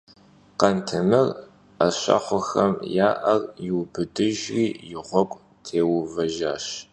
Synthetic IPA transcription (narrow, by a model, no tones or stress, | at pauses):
qɐntʰɨmɨr | ɐɕɐ̰χʷʊxɐmjaːʔɐrjɪwbɨdɨʒriːjɪʁʷɔkʷʼ | tʰeːwʊvɐʒaːʃ